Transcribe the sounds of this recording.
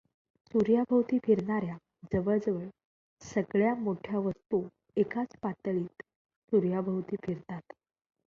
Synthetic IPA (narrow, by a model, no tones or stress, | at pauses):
suɾjabʱəwt̪iːfiɾɳaɾja | d͡zəʋəɭd͡zʋəɭ | səɡɭjamoʈʰjaʋəst̪u | ekat͡spat̪ɭiːt̪ | suɾjabʱəwt̪iːfiɾt̪at̪